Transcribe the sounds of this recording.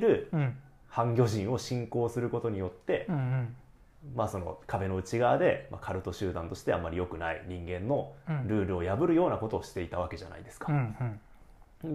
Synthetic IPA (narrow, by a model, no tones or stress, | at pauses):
ɾɯ̟ | hãŋɡʲo̞ʑĩɰ̃o̞ɕĩŋko̞ːsɨɾɯ̟ko̞t̪o̞ɲ̟ijo̞t̪ːe̞ | maso̞no̞̰kʰabe̞no̞ɯ̟t͡ɕiɡaːd̪e̞ma̰kʰaɾɯ̟t̪o̞ɕɨːd̪ãnt̪o̞ɕi̥t̪e̞a̰mːaɾʲijo̞kɯ̟naḭɲ̟ĩŋɡẽ̞nːo̞ɾɯ̟ːɾɯ̟o̞jabɯ̟ɾɯ̟jo̞ːnako̞t̪o̞ːɕi̥t̪e̞it̪aβ̞ake̞ʑa̰na̰id̪e̞̥sɨ̥ka